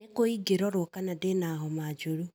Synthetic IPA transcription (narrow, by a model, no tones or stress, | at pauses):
ekoiɡeɾɔɾɔkanadenaɦɔmad͡ʒoɾu